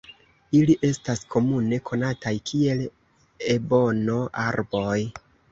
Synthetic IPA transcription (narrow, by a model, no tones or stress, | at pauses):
iliʔe̞staskʰo̞mune̞kʰo̞natajkʰie̞l | ebo̞no̞ʔaɾbo̞j